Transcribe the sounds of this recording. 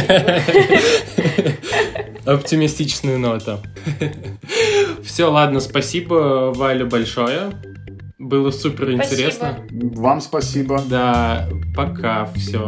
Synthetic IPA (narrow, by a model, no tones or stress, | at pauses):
ɐptʲɪmʲɪsʲtʲit͡ɕɪ̥snʊjʊnot̪ə | fsʲolˠad̪nəspɐsʲibəvalʲɪbɐlʲʂo̞jə | bɨlˠəsupʲɪrɪnʲtʲɪɾʲesnnəvamspɐsʲibəd̪apɐkʰafsʲo